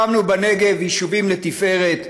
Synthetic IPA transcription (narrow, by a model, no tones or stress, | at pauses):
amnubane̞ɡe̞vhiʃuvimlet̪ife̞ʁet̪